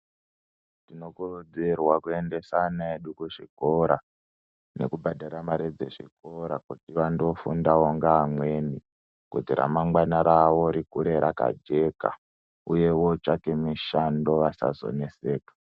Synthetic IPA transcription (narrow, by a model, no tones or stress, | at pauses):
tino̞kurod͡zerwakue̞nde̞sanaeɗukuʐikoɾa | ne̞̰kubʱadʱaɾamaɾid͡zḛʐḭko̞ɾakutiʋando̞fundawoŋɡaːmwe̞ni | kud͡ziɾa̰maŋwanaɾawo̞ɾikuɾe̞ɾaka̰d͡ʒe̞ka̰ | uje̞wot͡ʃake̞miʃando̞ʋasa̰zo̞̰ne̞se̞ːkḁ